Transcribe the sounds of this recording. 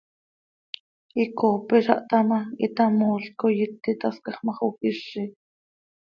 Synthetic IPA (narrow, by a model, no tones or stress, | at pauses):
ikoːpiʃɑ̰ʔt̪ɑmɑit̪ɑmoːɬkojit̪ːit̪ɑskɑχmɑχukiʃi